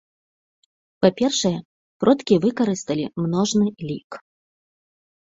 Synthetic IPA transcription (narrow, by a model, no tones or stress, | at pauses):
papʲɛrʂɐjɛ | pɾɔt̪kʲivɨkaɾɨst̪ɐlʲimnɔʐnɨlʲik